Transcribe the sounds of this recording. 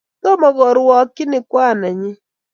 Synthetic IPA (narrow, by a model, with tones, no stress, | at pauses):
tɔ˦mɔ˨ɣɔ˨ɾwɔ˨kɪ˦nɪ˨kwa˦˨na˨ɲɪ˦